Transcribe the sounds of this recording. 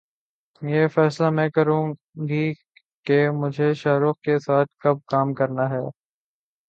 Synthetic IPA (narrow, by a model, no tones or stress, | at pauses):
jeːfɛːslamɛ̃ːkɐɾũ | ɡi | kemʊd͡ʒʱeʃaːɾʊxkesaːt̪̚ʰkɐb̚kaːmkɐɾnaɦɛː